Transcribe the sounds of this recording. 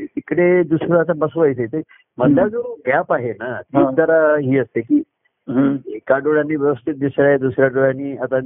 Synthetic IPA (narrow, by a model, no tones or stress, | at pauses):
ikɽed̪usɾoat̪abəsʋajt͡set̪əi | məd̪ljad͡zoɡapaɦenat̪id̪əɾaɦiːʋəst̪ːekiː | kaɖoɽanːiːʋjəʋst̪ʰit̪̚d̪usɾjaɦed̪usɾjaɖoɭaniːat̪a